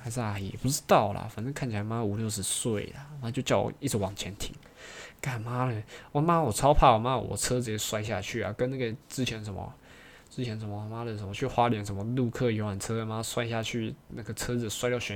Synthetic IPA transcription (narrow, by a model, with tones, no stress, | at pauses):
xa˧˥ɪʂɻ̩˥˧˩a˨˧˩jɛ̰˨˩pu˥˩ʈ͡ʂɻ̩˥t̪ɑ˥˩ʊlɐ̰˩fə˨˩nə˥kʰa˥˩nt͡ɕʰi˨˩a˧ɪma˦˥də˨u˨˩ljo˥˩ʊʂ̬ɻ̩˧˥swe˥˩ɪlɐ̰˩˧˩ma˥t͡ɕjo˥˧ʊt͡ɕjɑ˥˩ʊ̰˨˩i˥˩t͡s̩˧˩wɑ˨˩ŋt͡ɕʰjɛ˧˥nt̪ʰḭ˨˧˩ŋ | ka˥˩nma˥lə˨ɔ˨˩ma˦˥wɔ˨˩t͡sʰɑ˥ʊpʰa˥˩wɔ˨˩ma˦˥˧wɔ̰˨˩t͡sʰɤ˥d͡zɹ̩˨˩ɛ˧˥˩swa˥˧ɪ˧ɕja̰˥˧t͡ɕʰy˥˩a̰˨˩kə˥na˥˩ɡə˩ʈ͡ʂɹ̩˥t͡ɕʰjɛ˧˥nʂə˧˥nmə̰˧˦ | t͡sɻ̩˥t͡ɕʰjɛ˧˥nʂə˧˩mə˧ma˦˥lə˨˩ʂə˧˥nmɔ˧t͡ɕʰy˥˩xwa˥ljɛ˧˥nʂə˧˥nmə˧lu˥˧kʰɤ˥˩jo˧˥ʊwa˨˩nt͡sʰɤ˥ə˨˧ma˦˥˧swa˥˧ɪ˧ɕja˥˧t͡ɕʰy˥˩na˥˩ɡə˩t͡sʰɤ˥d͡zɹ̩˨˩swa˥ɪt̪jʊɕɛ˧˥